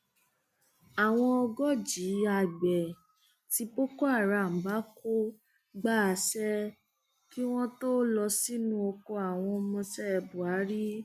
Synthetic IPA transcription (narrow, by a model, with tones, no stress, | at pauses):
a˨w̃ɔ̃˧ɔ˧ɡɔ˦d͡ʒi˨˦a˧˨ɡ͡bɛ˨ | ti˧po˦kɔ˦a˦˨ɾa˨m̩˨ba˨˦ko˦ | ɡ͡ba˦˨˧sɛ˦ | ki˦w̃ɔ̃˦to˦lɔ˧si˦nũ˦o˧ko˧a˨w̃ɔ̃˧ɔ˧mɔ̃˧sɛ˦ɛ˧bu˨a˨˦ɾi˦